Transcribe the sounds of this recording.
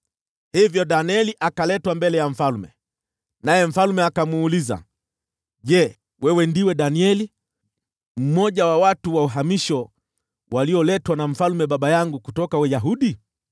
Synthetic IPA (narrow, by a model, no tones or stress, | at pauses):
hivjɔɗaniɛliʔakalɛtwambɛlɛjam̩falmɛ̰ | najɛm̩falmɛakamuːliza̰ | ʄɛ | wɛwɛndiwɛɗaniɛli | m̩mɔʄawawatuwauɦamiʃɔ | waliɔlɛtwanam̩falmɛɓaɓajaŋɡukutɔkawɛjaɦuɗi